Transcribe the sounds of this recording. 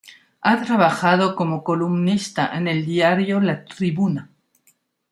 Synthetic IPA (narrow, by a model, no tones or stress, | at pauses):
at̪ɾaβaxað̞o̞ko̞mo̞ko̞lumnist̪aʔene̞ld̪jaɾjolat̪ɾiβuna